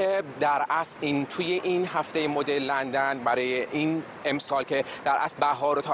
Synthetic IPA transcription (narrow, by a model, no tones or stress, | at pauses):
ed̪æɾʔæsint̪ʰujeʔinɦæft̪ejemod̪elːænd̪ænbæɾɒːjeʔin | emsɒːlcʰed̪̥æɾʔæ̰slbæɦɒːɾot̪ʰɒː